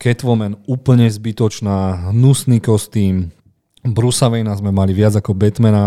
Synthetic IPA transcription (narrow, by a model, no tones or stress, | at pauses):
kɛt̪ʋɔmɛnuːpl̩ɲɛzbit̪ɔt͡ʃnaːɦnusnikɔst̪iːm | bɾusaʋɛjnazmɛmaliʋɪad͡zakɔbɛt̪mɛna